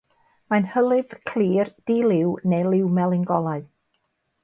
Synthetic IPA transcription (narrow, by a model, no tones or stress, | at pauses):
manhəlˠɨv̥kʰliːrd̥iːlˠɪwnelˠɪwmɛlˠɪŋɡɔlˠaɨð